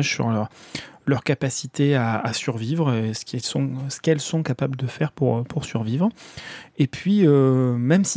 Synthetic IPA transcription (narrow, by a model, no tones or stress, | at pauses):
ʒsy̰ʁlœʁlœʁkapasit̪eaa̰syʁvivʁsə̥kɛsɔ̃sə̥kɛlsɔ̃kapabləd̪əfɛʁpuʁpʰuʁsyʁvivʁ | epɥiømɛmsi